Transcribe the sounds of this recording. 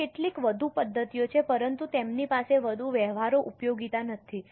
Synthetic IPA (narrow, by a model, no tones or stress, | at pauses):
keʈlikʋəd̪ʱupəd̪ʱːət̪ijot͡ʃʰepəɾənt̪ut̪emnipaseʋəd̪ʱuʋɛʋaɾoʔupjoɡit̪anət̪ʰi